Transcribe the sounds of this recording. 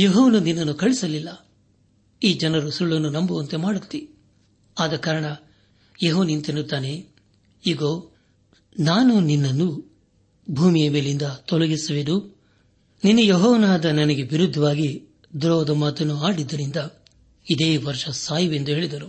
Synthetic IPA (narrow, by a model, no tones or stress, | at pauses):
jeɦoːʋnuninːɐnːukɐɭisɐlilːɐ | iːd͡ʒɐnɐɾusuɭːɐnːunɐmbuɐnt̪e̞maːɽut̪ːi | aːd̪ɐkːaːɾɐɳɐ | jeɦoːnint̪enut̪ːaːne | iːɡoː | naːnuninːɐnːu | bʱuːmijɐmeːlind̪ɐt̪ɔlɐɡisɐʋed̪u | ninːujɔɦɔːʋnaːd̪ɐnɐnɐɡe̞ʋiɾud̪ʱːɐʋaːɡi | d̪ɾɔːd̪ɐmaːt̪ɐnːuaːɽid̪ːɐɾind̪ɐ | id̪e̞ːʋɐɾʂɐsaːjɐʋe̞nd̪uɦe̞ːɭid̪ɐɾu